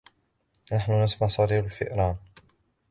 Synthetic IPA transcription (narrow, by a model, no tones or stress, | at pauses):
naħnʊnasmaʕsˤɑɾiːbʊlfɪ̰ʔɾˤɑːn